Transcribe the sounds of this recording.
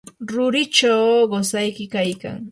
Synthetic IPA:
ɾʊɾɪt͡ʃawɢosajkɪkajka̰ŋ

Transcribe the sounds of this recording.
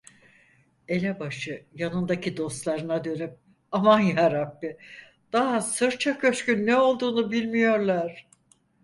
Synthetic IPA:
e̞lʲɛbaʃɯjanɯnd̪acʰid̪o̞st̪lˠaɾɯnad̪ø̞nyp̚ | amanjaɾabːɪ | d̪̥aɦasɯɾt͡ʃʰakøskynːɛo̞lˠd̪uːnubilʲmijo̞ɾlˠaɾ̥

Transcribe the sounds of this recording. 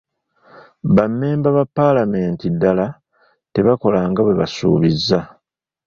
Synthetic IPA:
βamːe̞ːmbaβapːalame̞ːntidːala | te̞βako̞laːŋɡaβwe̞βa̰sṵːβizːa

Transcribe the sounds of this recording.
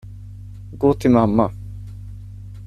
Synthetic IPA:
ɡoːt̪ʰɪlmamːa

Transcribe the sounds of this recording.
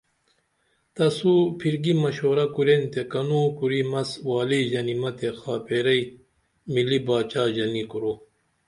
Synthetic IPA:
t̪ɐsupʰiɾɡimɐɕoːɾɐkuɾent̪ekɐnuːkuɾimɐswaːliʑɐnimɐt̪exaːpʰeːɾɐj | milibaːt͡ɕaːʑɐnikuɾo

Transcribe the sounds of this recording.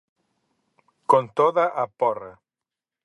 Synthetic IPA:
kont̪oðaʔapɔra

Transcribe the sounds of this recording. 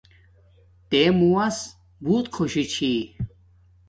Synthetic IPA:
t̪eːmuɐs | buːt̪kʰoɕit͡ɕʰi

